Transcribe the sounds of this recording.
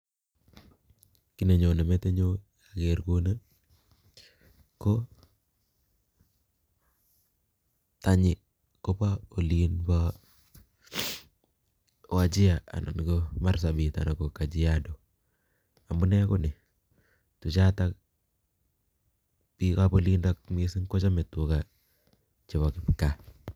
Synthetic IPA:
ki˦ne˨ɲo˨ne˨me˦te˦ɲo˦jake˨ɾko˦nə˦ | ko˦ | ta˨ɲɪ˨ | ko˦pa˦o˨linpa | wa˨d͡ʒɪ˦a˨a̰˨na̰˨nko˦mars̬a˨bi˨ta̰˨na˨ko˨ka˨d͡ʒi˦jado˨ | a˨mbu˦nɛ˦ko˦nɪ˨ | tu˨t͡ʃa˦ta˦ | pikapo˦li˦ndak̚misɪ˦ŋko˦t͡ʃa˦mɛ˨tu˦ka˨ | t͡ʃɛ˨βa˨kɪpka˦

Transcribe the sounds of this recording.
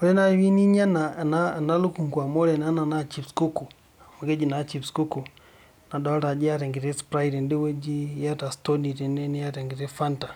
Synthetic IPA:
ɔ˦lɛ˦na˦βi˦ni˦ɲa˦na˨na˦na˦lu˦ku˨ŋɡwa˨mɔ˦lɛ˨na˦na˨na˦t͡ʃi˦psku˦ku˨ | mu˨ɡɛ˦d͡ʒi˨na˨t͡ʃi˨psku˦ku˨ | na˨da˨˦ɾa˨d͡ʒi˦a˦ɾɛ˨ŋɡɛ˨ɾɛ˦spɾa˦i˨ɾɛ˨ndi˦wɛ˦d͡ʒi˦ja˦ta˨stɔ˦ni˨ɾɛ˨nɛ˦nɛ˦ja˦ɾɛ˨ŋɡɛ˨ɾɛ˦fa˦nta˨

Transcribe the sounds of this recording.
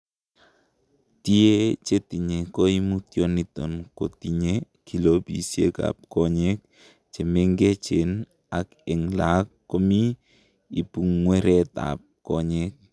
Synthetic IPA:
ti˦e˦t͡ʃe˦ti˨ɲe˨ko˦i˦mu˦t̪jɔ˦ni˦tɔ̰˨nko˨ti˨ɲe˦ | ki˨lo˦bḭ˨siḛ˦ka̰˨p̚kɔ˦ɲɛ˦k̚ | t͡ʃe˨me˦ŋɡe˦t͡ʃe˨n | a˨kɛ˨ŋla˨˦kːo˦mi˦ | i˨pu˨ŋːwɛ˦ɾɛ˦t̪a̰˨p̚kɔ˦ɲɛ˦k̚

